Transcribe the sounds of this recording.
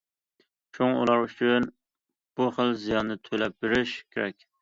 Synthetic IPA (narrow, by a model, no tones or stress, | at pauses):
ʃuŋṵlˠɑɾyt͡ʃʰyn | b̥uχəlˠzijɑnːɨɪt̪ʰølɛp̚beɾɪʃkʲʰeɾɛkʲ